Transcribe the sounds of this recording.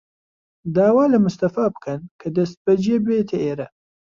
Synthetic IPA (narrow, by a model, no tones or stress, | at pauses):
d̪aːwaːlɐmʊst̪ɐfaːbkʰɐnkʰɐd̪ɐst̪̚bɐd͡ʒebeːt̪ʰeʔeːɾɐ